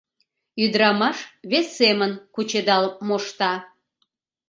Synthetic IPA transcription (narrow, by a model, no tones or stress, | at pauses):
yd̪ɾɑmɑʃβesːemənkut͡ɕed̪ɑlmoʃt̪ɑ